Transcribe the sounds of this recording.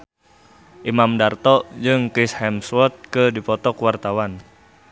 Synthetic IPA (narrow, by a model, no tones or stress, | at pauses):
ʔimamdart̪ɔd͡ʒɨŋkishɛmswɔt̪̚kədipɔt̪ɔkwart̪awan